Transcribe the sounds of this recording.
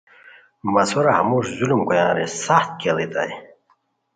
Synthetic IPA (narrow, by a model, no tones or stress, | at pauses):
mɐsuɾahɐmuʐzulumkujãːɾisaxt̪̚kelit̪a̰j